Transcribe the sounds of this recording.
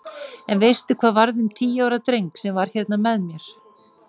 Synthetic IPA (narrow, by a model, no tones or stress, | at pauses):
ɛnvejst̪ʏkʰv̥aːðvaɾðʏmt̪ʰiːjaːwɾat̪ɾejŋksɛmvaɾ̥çɛt̪namɛðmjɛɾ̥